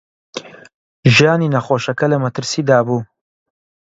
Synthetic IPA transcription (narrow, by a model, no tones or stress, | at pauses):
ʒijaːniːnɐχoːʃɐkɐlɐmɐt̪ʰɨɾsiːd̪aːbuː